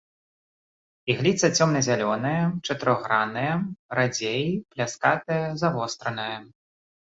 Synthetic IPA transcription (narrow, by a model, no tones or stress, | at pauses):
iɣlʲit̪sɐt͡sʲɔmnɐzʲalʲɔnɨjɐt͡ʂɐt̪ɨɾɔɣɾanɨjɛɾad͡zʲejiplʲaskat̪ɨjɐzavɔst̪ɾɐnɨjɐ